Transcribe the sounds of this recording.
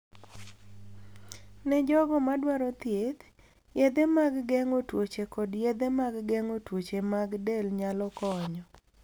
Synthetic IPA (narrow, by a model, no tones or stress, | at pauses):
nɛd͡ʒɔɡɔmadwaɾɔt̪jet̪ | jed̪emaɡɡɛŋotwot͡ʃekɔdjed̪emaɡɡɛŋotwot͡ʃemaɡdelɲalɔkɔɲɔ